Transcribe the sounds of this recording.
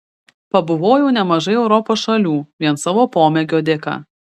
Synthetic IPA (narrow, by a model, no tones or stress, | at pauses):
pɐbʊʋoːjɛʊnʲɛmɐʒɐɪɛʊɾɔpoːsʃɐlʲuːʋʲiɛnsɐʋoːpoːmʲɛɡʲoːd̪ʲɪkɐ̰